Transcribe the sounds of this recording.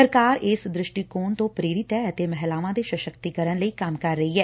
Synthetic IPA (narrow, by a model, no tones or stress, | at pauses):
əɾkaːɾɪsd̪ɾɪʃʈiːkoːnt̪õːpɾeːɾɪt̪ɛət̪eːmɛɦlaːʋãːd̪eːʃəʃəkt̪ikəɾənləiːkamkəɾːəiːɦɛː